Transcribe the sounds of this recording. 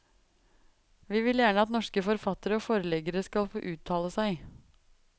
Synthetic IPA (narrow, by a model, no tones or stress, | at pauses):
ʋiːʋɪljæːɳəɑt̪nɔʂkəfɔɾfɑt̪əɾəoːfoːɾəlɛɡəɾəskɑlfoːʔʉːt̪ʰɑːləsæɪ